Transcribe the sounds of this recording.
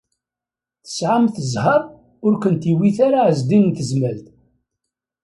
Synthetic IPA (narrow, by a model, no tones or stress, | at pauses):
θə̥sʕamθəzˤhɑɾˤ | ʊɾkənt̪iwiθaɾaʕəzd̪innθəzmælt̪